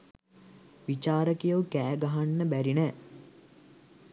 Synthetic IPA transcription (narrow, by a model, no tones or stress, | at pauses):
ʋit͡ʃaːɾəkijowkæːɡaɦanːəbæɾinɛː